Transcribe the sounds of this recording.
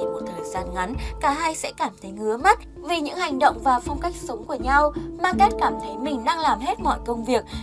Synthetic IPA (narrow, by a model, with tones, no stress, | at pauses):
i˨˩mo˨˩t̚t̪ʰəː˨˩jzaː˧nŋa˨˦nkaː˧˩ɦa˧jsɛ̰˧˥kaː˧˩mt̪ʰə˨˦jŋɨ˨˦əma˦˥t̚ | vi˨˩ɲɨ̰˧˥ŋha˨˩jŋ̟ɗə̰˧˨wŋ͡mvaː˨˩fa˧wŋ͡mka˦˥jk̟̚sə˨˦wŋ͡mku˧˩əɲa˧wmaː˧ŋkɛ˦˥t̚kaː˧˩mt̪ʰə˨˦jmï˨˩ŋ̟ɗa˧ŋlaː˨˩mɦe˦˥t̚mɔ̰˧˨jkə˧wŋ͡mvi˨˩ək̚